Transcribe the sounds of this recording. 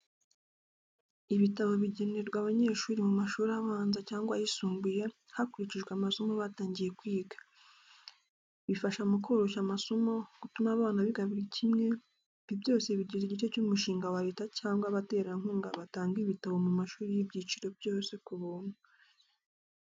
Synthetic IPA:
iβitaβo̞βiɟe̞neɾɡwaːβaɲe̞ːʃuːɾimumaʃuːɾiaβaːnzacaːŋɡwajisuːmbuje̞ | hakuɾiciʒɡweamaso̞mo̞βataːɲɟije̞kwiːɡḁ | βifaʃamukoɾoʃamaso̞mo̞ɡ̥utumaβaːnaβiɡaβiɾicʰimŋe̞ | β̥ibjo̞ːse̞βiɾɟiziɟico̞cumuʃiːŋɡawaɾetacaːŋɡwaβate̞ːɾaŋhuːŋɡa̰βataːŋɡiβitaβo̞mumaʃuːɾijibɟiːt͡ʃiɾo̞bjo̞ːse̞kuβuːn̥u

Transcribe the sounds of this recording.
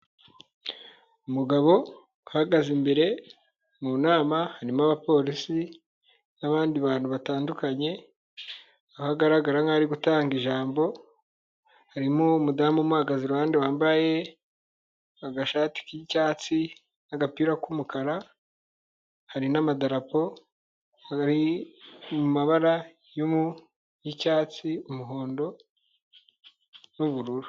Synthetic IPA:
umuɡaβo̞ | uhaɡazimbe̞ɾe̞ | muːnaːmahaɾimaβapo̞ːɾisi | naβaːndiβaːn̥huβataːndukaɲe̞ | ahaɡaɾaɡaɾaŋaɾiɡutaːŋɡiʒaːmbo̞ | haɾimumudaːmumuaɡaziɾohaːndiwaːmbaje̞ | aɡaʃaːti̥kicaːt͡si | naɡapiːɾakumukaɾa | haɾinamadaɾapo̞ | aɾi | mumaβaɾa | jomu | jicaːt͡siumuɦo̞ːndo̞ | nuβuɾuɾu

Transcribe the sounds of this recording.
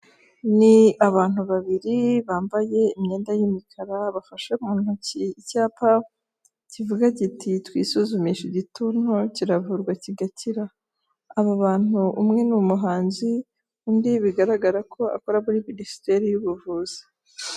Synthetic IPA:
niaβaːn̥huβaβiɾiβaːmbaje̞imɲe̞ːndajimikʰaɾaβafaʃeumuːn̥huciːcaːpa | civuɡaɟititwḭːsuzumiʃiɟitunociɾavuːɾɡwaciɡatʰiɾaː | βaβaːn̥uʔumŋe̞numuɦaːnzi | undiβiɡaɾaɡaɾakʰo̞a̰koɾaβuɾiministe̞ɾijuβuvuːz̥i̥

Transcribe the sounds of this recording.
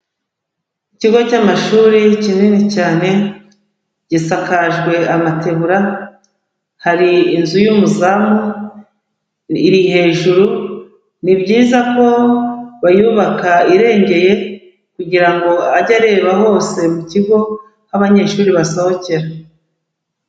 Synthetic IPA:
iciɡo̞camaʃuːɾicininicaːne̞ | ɟ̥isakaʒɡwe̞amatʰe̞βuɾa | haɾiːnzujumuzamu | iɾihe̞ːʒuɾu | nibɟiːzako̞βajuβakaiɾe̞ːɲɟe̞je̞ | kuɟiɾaŋɡo̞aɟaɾe̞ːβaɦo̞ːse̞muciɡo̞ | haβaɲe̞ːʃuːɾiβasohoce̞ɾa

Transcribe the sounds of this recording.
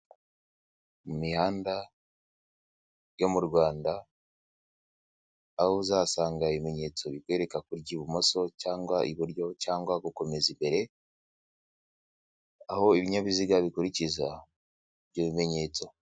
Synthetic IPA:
mumihaːnda | jomuɾɡwaːnda | houzaːsaːŋɡaiβime̞ɲe̞ːt͡so̞βikwe̞ɾe̞kakuɾɟiβumoso̞caːŋɡwaʔiβuɾɟo̞caːŋɡwaɡuko̞me̞zimbe̞ɾe̞ | aho̞iβiɲaβiziɡaβikuɾiciza | βɟoβime̞ɲe̞ːt͡so̞

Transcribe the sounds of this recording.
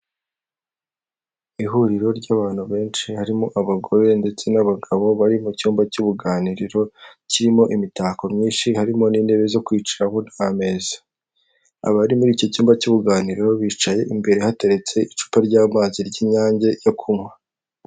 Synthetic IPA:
iɦuɾiɾo̞ɾɟaːβaːn̥huβe̞ːnʃihaɾimoʔaβaɡo̞ɾe̞nde̞t͡se̞naβaɡaβo̞βaɾimucuːmbacuβuɡaːniɾiɾo̞ciɾimo̞ʔimitaːkomɲiːnʃihaɾimo̞niːne̞βe̞zo̞kwiːt͡ʃiɾaho̞nhame̞ːzḁ | a̰βaɾimuɾiːco̞cuːmbacuβuɡaːniɾiɾo̞βiːt͡ʃaje̞ʔimbe̞ɾe̞hate̞ɾe̞t͡se̞it͡ʃu̥paɾɟaːmaːziɾɟiːɲaːɲɟe̞jo̞kʰumŋa

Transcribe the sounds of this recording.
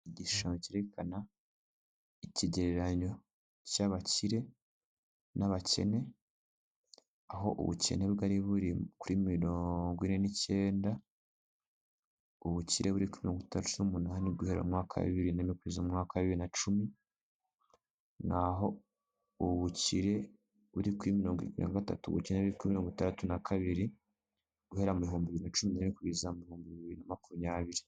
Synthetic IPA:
iɟiʃaɲociɾekana | iciɟeɾeɾaɲo̞ | caβaciɾe̞ | naβace̞̰ne̞ | aɦo̞̰ʔṵβṵce̞̰ne̞βɡaɾiβuɾikuɾimiɾoːŋɡwine̞nice̞ːnda | uβuciɾʔe̞βuɾikuɾimiɾo̞ːŋɡitaatunumunaːniɡuhe̞ɾo̰mŋaːkʰa̰βiɾinamikuβizomŋaːkaaβiβiɾinat͡ʃumi | naɦo̞ | uβuciɾe̞ | βuɾikuɾimiɾo̞ːŋɡwiikuḭnaɡata̰tṵβṵṵceneβuiɾikuimiɾo̞ːŋɡitaɾatunakʰaβiɾi | ɡ̥uhe̞ɾamuβiɦuːmbiβiɾinat͡ʃuminamikuβizamuβihuːmbiiβiɾinamakumɲaːβiɾi

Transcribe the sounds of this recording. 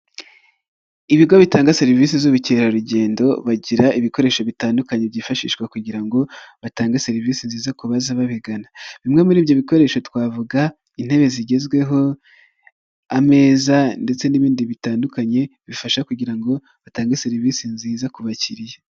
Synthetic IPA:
iβiɡoβitaːŋɡaseɾiviːsizuβuceɾaɾuɟe̞ːndo̞βaɟiɾaiβiko̞ɾe̞ːʃo̞βitaːndukaɲebɟiːfaʃḭːʃkwakuɟiɾaŋɡo̞βataːŋɡase̞ɾiviːsinziːzakuβazaβaβiɡanaβimŋe̞muɾiːβjo̞βiko̞ɾe̞ːʃo̞twaːvuɡa | in̥he̞βe̞ziɟe̞zɡwe̞ɦo̞ | ame̞ːzande̞t͡se̞niβiːndiβitaːndukaɲe̞βifaʃakuɟiɾaŋɡo̞ | βataːŋɡaseɾiviːsinziːzakuβaciɾije

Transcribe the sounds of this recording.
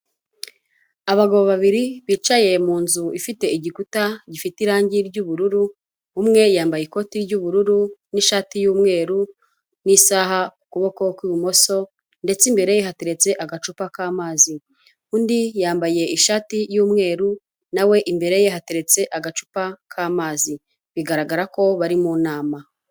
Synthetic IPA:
aβaɡoβoβaβiɾiβiːt͡ʃaje̞muːnzuifite̞iɟikutaɟifitiɾaːɲɟiɾɟuːβuɾuɾu | umŋe̞jaːmbajeko̞tiɾɟuːβuɾuɾuniʃaːtijuːmŋe̞ːɾu | nisaːɦakukuβo̞ko̞kwiβumo̞so̞ | nde̞t͡simbe̞ɾe̞jeɦateɾe̞t͡se̞ʔaɡat͡ʃupakaːmaːzi | kuːndijaːmbaje̞iʃaːtijuːmŋe̞ːɾu | nawe̞ʔimbe̞ɾe̞je̞hateɾe̞t͡se̞ʔaɡat͡ʃu̥pakʰaːmaːzi | βiɡaɾaɡaɾako̞βaɾimunaːma

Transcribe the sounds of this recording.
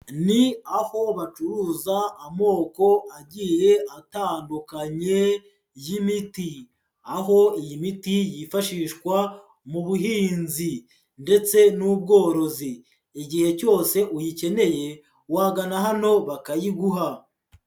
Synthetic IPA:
niaho̞βat͡ʃuɾuːzaːmo̞ːko̞ʔaɟiːje̞ataːndukaɲe̞ | jimiti | aɦo̞ijimitijifaʃiːʃkwa | muβuɦiːnzi | nde̞t͡se̞nub̚ɡo̞ːɾo̞ziː | ɟihe̞co̞ːse̞ʔujice̞ne̞je̞ | waɡanaɦano̞βakajiɡuɦa

